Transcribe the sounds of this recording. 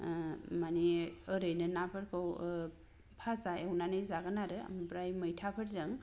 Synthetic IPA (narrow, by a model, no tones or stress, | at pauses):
maniəɾɯjnɯnapʰɯɾkʰɯw | pʰasaewnanɯjzaɡɯnaɾɯa̰mpɾajmɯjtʰapʰɯɾzɯŋ